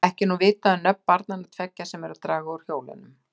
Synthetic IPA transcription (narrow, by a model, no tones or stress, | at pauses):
ɛhcɪnuvɪːt̪aðʏnœpmːaɾt̪nanat̪ʰvɛcːasɛmɛɾʏt̪ɾaːɣaɔɾ̥hjoːwlɪ̰nʏm